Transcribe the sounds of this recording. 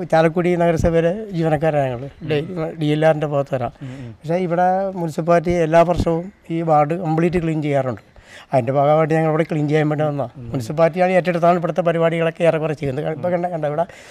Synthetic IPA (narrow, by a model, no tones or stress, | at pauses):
t͡ɕaːlɐkːuːɽinɐɣɐɾɐsɐʋeɾed͡ʑiːʋɐnɐk̬ːaːɾaɲɐŋːɐɭɖɖijelːaːrindepoɣɐt̪ːɨʋɐɾa̰ːpɐkʂe̞ːiʋiɽe̞munusɨpaːt̬ːielːaːʋɐrʂɐʋumiːʋaːrɖɨkɐmbɭiːtːɨkɭiːnt͡ɕe̞jːaːruɳɖɨ̥ɐðinde̞bʱaːɣɐbaːʈːiɲɐŋːɐɭiʋiɽekɭiːnt͡ɕe̞jːambeɳɖeɐnːamunusupaːɾtːijaːɭetːeɽut̪ːaːɳɨp̬eɽut̪ːɐp̬ɐɾibaːɽiɣɐɭo̞kːeerɐkurɐt͡ɕːe̞jːunɐkɐipːokːɐɳɖkːɐɳɖaiʋiɽe